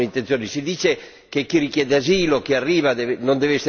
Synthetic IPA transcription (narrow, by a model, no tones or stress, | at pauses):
eint̪ẽnjoːnisid̪iːt͡ʃe | kekːirikjɛːd̪eaziːlokiarːiːvad̪enõnd̪evese